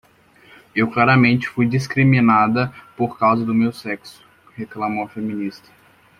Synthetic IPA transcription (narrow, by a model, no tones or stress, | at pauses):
ewklaɾɐmẽnt͡ʃɪ̥fujd͡ʒiskɾimĩnad̪ɐpoɾkawzɐd̪ʊmewsɛksʊ̥ | heklamoɐfemĩnist̪ɐ̥